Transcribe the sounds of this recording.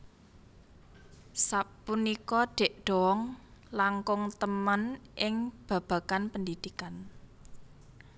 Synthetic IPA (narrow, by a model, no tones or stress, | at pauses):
sapunikɔɖ̪̥e̤ʔɖ̪̥ɔ̤wɔŋlaŋkʊŋt̪əmənʔɪŋb̥ä̤b̥ä̤kanpəndid̪̥ikan